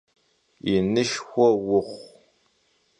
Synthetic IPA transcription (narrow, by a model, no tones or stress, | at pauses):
inɨʃxʷɔwʊχʷ